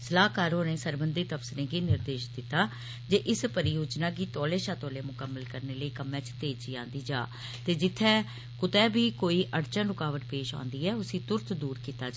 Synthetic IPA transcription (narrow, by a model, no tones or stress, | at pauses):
səlaːɦkaːɾɦoːnẽːsəɾbənd̪iːt̪əpsɪɾẽːɡiːnɪɾd̪eːʃd̪ɪt̪ːaː | d͡ʒeːʔɪspəɾɪjoːd͡ʒnãːɡiːt̪ɔːleːʃaːt̪ɔːleːmʊkəmːəlkəɾneːləiːkəmːɛ̃ːt͡ʃt̪eːt͡ʃiːã̰ːnd̪iːd͡ʒa̰ː | t̪eːd͡ʒɪt̪ʰːɛː | kʊt̪ɛːbiːkoːiːʔəɽt͡ʃə̃nɾʊkaːʋəʈ̪peːʃã̰ːnd̪iːɛːʊsĩːt̪ʊɾt̪ʰd̪uːɾkiːt̪aːd͡ʒ